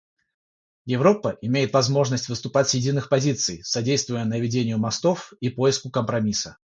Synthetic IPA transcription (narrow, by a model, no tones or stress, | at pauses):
jɪvɾo̞pəʔɪmʲejɪt̪vɐzmo̞ʐnəsʲtʲvɨst̪ʊpatʲsjɪdʲinːɨxpɐzʲit̪sɨjsɐdʲejst̪vʊjənəvʲɪdʲenʲɪjʊmɐst̪o̞fipo̞jɪskʊkəmpɾɐmʲisə